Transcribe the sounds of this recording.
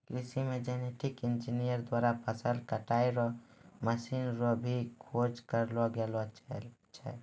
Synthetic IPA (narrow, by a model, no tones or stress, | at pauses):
kɾisimed͡ʒɛneʈʰikɪnd͡ʒinijəɾd̪waɾapʰəsəlkəʈaiɾɔməsinɾɔbʱikʰod͡ʒkəɾlɔɡelɔt͡ʃʰɛ̰